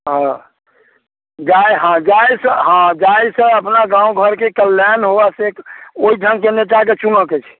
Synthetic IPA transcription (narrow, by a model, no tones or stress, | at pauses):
ɦã | d͡ʒajɦãd͡ʒajsəɦãd͡ʒajsə̃əpnaɡãũɡʱəɾkekəlːɛnɦoʋasekoid̪ʱəŋkeneʈak̬et͡ʃunəket͡ʃʰ